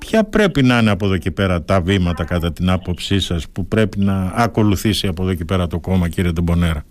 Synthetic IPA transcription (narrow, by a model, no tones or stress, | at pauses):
pçɐpɾe̞pinɐineɐpo̞ðo̞cepe̞ɾɐt̪ɐvimɐt̪ɐkɐt̪ɐt̪inɐpo̞psisɐspupɾe̞pinɐːko̞luθisiɐpo̞ðo̞cepe̞ɾɐt̪o̞ko̞mɐciɾiet̪obo̞ne̞ɾɐ